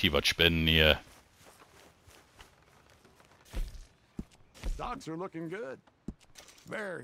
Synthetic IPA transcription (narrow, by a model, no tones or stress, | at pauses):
ivətʃpɪnːiə | d̥ɑk̚sə˞lʊkɪ̃ŋɡʊd̥̚ | vɛɹi